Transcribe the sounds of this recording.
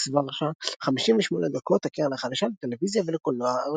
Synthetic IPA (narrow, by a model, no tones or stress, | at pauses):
svaʁʃaχamiʃimveʃmoned̪ako̞t̪hakiʁanlaχad̪aʃalet̪elevizjavelekolːoa